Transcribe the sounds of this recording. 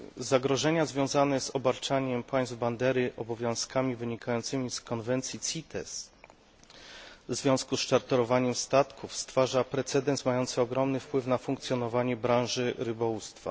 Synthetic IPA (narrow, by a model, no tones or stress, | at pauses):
zaɡɾɔʐɛɲazvʲjɔ̃w̃zanɛzɔbaɾt͡ʂaɲɛmpaj̃svband̪ɛɾɘʔɔbɔvʲjɔ̃w̃skamʲivɘɲikʰajɔnt̪sɘmʲiskɔnvɛnt̪sʲjit̪sʲit̪ɛ̰s | vzvʲjɔ̃w̃skusʂaɾt̪ɔɾɔvaɲɛmst̪at̪kʰufst̪faʐapɾɛt̪sɛd̪ɛnsmajɔnt̪sɛɔɡɾɔmnɘfpwɘfnafuŋkt̪sjɔnɔvaɲɛbɾãw̃ʐɘɾɘbɔwust̪fa̰